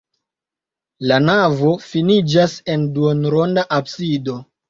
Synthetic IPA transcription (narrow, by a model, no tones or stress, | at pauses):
lanavo̞finid͡ʒase̞nduonɾo̞ndaʔabsido̞